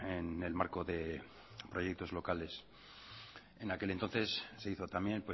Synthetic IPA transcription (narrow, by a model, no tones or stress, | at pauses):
enelmaɾko̞ðe̞ | pɾojek̚t̪o̞zlo̞kale̞s | enake̞lent̪o̞nθe̞sːe̞iθo̞t̪amje̞npwe